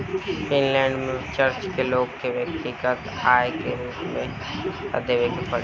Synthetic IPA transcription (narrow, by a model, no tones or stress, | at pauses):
fɪnlɛ̃ːɳɖmẽt͡ʃəɾt͡ʃkeloːɡkeʋɐkt̪ikət̪aːekeɾuːpmẽ | ə̰d̪eʋekepɐɽ